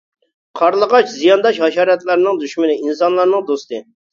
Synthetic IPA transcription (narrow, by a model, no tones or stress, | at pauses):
qʰɑɾlˠəʁɑt͡ʃzijɑnd̪ɑʃɦɑʃɑːɾɛt̪læɾnɨŋd̪yʃmɪnɪinsɑnlˠɑɾnɨŋd̪ost̪ɨ